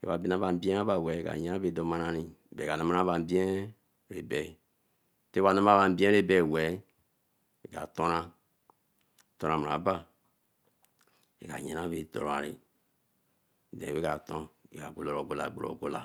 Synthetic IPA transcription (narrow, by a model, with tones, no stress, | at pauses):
ḛ˨˦wa˨bi˦na˦ba˨m̩˦bi˦ɛ̃˦a˦ba˦˨wɛ˨˦˨ɡa̰˨ɲɛ˦na˦be˨do˨ma˦na˦ɾĩ˦˨bɛ˨ɡa˨na˦ma˦ɾa˦ba˨m˦bi˦ɛ̃˦ | ɾe˨bɛ˨ | te˦a˨na˦m˦a˦βa˨m̩˨˦bi˦ɛ̃˦ɾe˦bɛ˦˨wɛ˨˦ | e˨ɡa̰˨to˦ɾã˦˨ | to˦ɾã˨m˨ɾa̰˨˦ba˦ | ḛ˨ɡa̰˨ɲẽ˨˦a˦be˨do̰˨ɾo˨a̰˨ɾḭ˨ | dɛ̰̃˨we˦ka˨tõ˦e˨ɡa˨ɡ͡bo˨lo˨ɾo˨ɡo˦la̰˨ɡ͡bo˨ɾo̰˨ɡo˦la˨